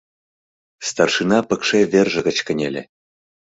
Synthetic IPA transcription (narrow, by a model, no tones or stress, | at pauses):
st̪ɑrʃinɑpə̆kʃeverʒə̆ɣə̆t͡ɕkə̆nʲelʲḛ̆